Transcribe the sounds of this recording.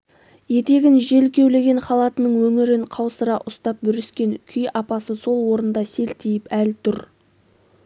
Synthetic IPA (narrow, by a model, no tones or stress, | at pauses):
je̞t̪e̞ɡʲɪnʒe̞lkʲe̞wle̞ɡʲe̞ɴχɑlˠɑt̪ənəɴwɵŋɪɾɪɴqʰɑwsəɾɑʔʊst̪ɑp̚bʏɾɪskʲe̞ŋkʲʰʏjɑpɑsəso̞lˠwo̞ɾənd̪ɑse̞lt̪ejɪpælt̪ʰʊɾ